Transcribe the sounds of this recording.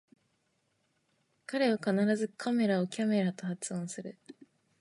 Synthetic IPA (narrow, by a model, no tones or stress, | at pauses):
kaɾe̞βakanaɾazɨkʰame̞ɾao̞kʲame̞ɾat̪o̞hat͡sɨõ̞ɰ̃sɨɾɯ̟